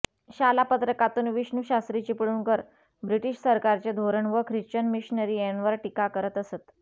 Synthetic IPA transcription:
ɕalapət̪ɾəkat̪uːnʋiɕnuɕast̪ɾit͡ɕipəɭuːnkəɾ | bɾiʈiɕsəɾkaɾt͡ɕed̪ʱoɾəɳʋəkʰɾiɕt͡ɕənmiɕinəɾiːenʋəɾʈikakəɾət̪əset̪

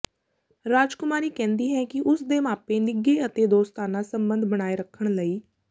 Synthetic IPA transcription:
ɾaːd͡ʒkʊmaːɾiːkɛ̃ːnd̪iːɦɛ̃ːkɪʔʊsd̪eːmaːpeːnɪɡeːət̪eːd̪oːst̪aːnãːsəmbə̃nd̪ʱbəɽ̃aːeːɾəkʰːəɽ̃ləiː

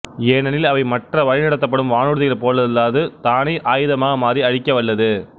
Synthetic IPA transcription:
eːnɐnɪlɐʋɐɪmɐʈrɐʋɐɻɪnɐɽɐt̪ːɐp̬ːɐɽɯmʋaːnɯɽɯðɐjɐlpoːlːɐðɐlːaːðɯt̪aːnɐɪʔaːjɯðɐmaːɣɐmaːd̪ɾiɐɻɪkːɐʋɐɭːɐðɯ

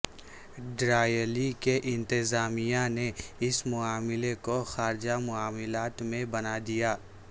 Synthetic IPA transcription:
ɖɾaːjəlikeʔɪ̃nt̪ɪzaːmijaneɪsmʊaːmɪlekoxaːɾd͡ʒamʊaːmɪlaːt̪mẽbɐnad̪ijaː

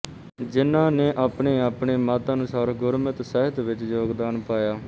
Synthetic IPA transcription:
d͡ʒɪnãːneːʔaːpɳeːaːpɳeːmaːt̪aːnũːsaːɾɡʊɾmɪt̪sɛɦɪt̪ʋɪt͡ʃd͡ʒoːɡd̪aːnpaːjaː

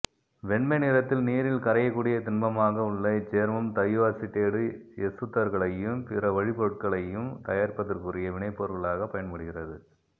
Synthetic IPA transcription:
ʋɛɳmɛnɪɾɐt̪ːɪlniːɾɪlkɐɾɐjɐkːuːɽɪjɐt̪ɪnbɐmaːɣɐʊɭːɐɪt͡ʃeːɾmɯmt̪ɐjʋasɪʈːeːɽɯɛsɯt̪ːɐɾɣɐɭɐjɯmpɪrɐʋɐɻɪpoɯʈ̚kɐɭɐjɯmt̪ɐjaːɾpɐðɪrkɯrɪjɐʋɪɳɐɪpːoːɾɣɐɭaːɣɐpːɐjɐnmʊɽɯɣɪrɐðɯ

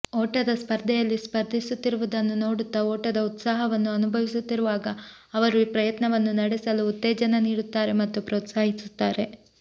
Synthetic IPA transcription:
oːʈɐd̪ɐspɐɾd̪ʱɛjɐlːispɐɾd̪ʱisut̪ːiɾuʋud̪ɐnːuno̞ːɽut̪ːɐoːʈɐd̪ɐut̪saːɦɐʋɐnːuɐnubʱɐʋisut̪ːiɾuʋaːɡɐː | ʋɐɾuipɾɐjɐt̪nɐʋɐnːunɐɽɛsɐluːt̪ːeːd͡ʒɐnɐniːɽut̪ːaːɾe̞mɐt̪ːupɾoːt̪saːɦisut̪ːaːɾe̞

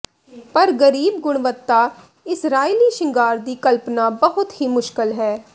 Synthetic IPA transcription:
pəɾɡəɾiːbɡʊɽ̃ʋət̪ːaː | ɪsɾaːiːliːʃɪ̃ŋɡaːɾd̪iːkəlpnaːbəɦʊt̪ɦiːmʊʃkɪlɦɛː

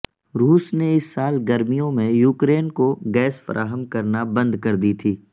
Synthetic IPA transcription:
ɾuːsneɪsːaːlɡɐɾmijõmẽjuːkɾeːnkoɡɛːsfɐ̰ɾʔa̰ːɦəmkɐɾnabɐ̃nd̪kɐɾd̪it̪ʰiː

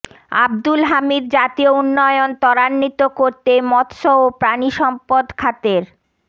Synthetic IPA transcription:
a̰b̚d̪ulɦamid̪̚d͡ʑat̪iounːɔeont̪ɔɾanːit̪okoɾt̪emɔt̪ʃoopɾaniʃɔmpod̪kʰat̪eɾ

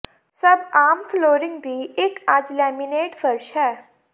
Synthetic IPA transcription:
sɐbaːmfloːɾɪ̃ŋɡd̪iːɪkaːd͡ʒlɛːmineːʈfəɾʃɦɛː

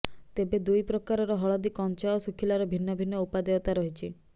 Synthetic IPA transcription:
t̪ebed̪ujpɾɔkaɾɔɾɔɦɔɭɔd̪ikɔnt͡ʃaosukʰilaɾɔbʱinːɔbʱinːɔupad̪eɔt̪aɾɔɦit͡ʃʰi

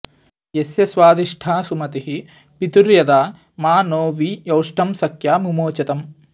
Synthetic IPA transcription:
jesjɐsʋaːd̪iʂʈʰaːsumɐt̪iɦi | pit̪uɾjɐd̪aː | maːnoːʋijɐwʂʈʰɐmsɐkʰjaːmumoːt͡ʃɐt̪ɐm

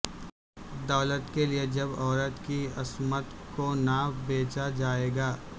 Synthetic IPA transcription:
d̪aːlət̪kelied͡ʒɐbɔːɾət̪kiɐsmət̪konaːbeːt͡ʃad͡ʒaːeːɡaː

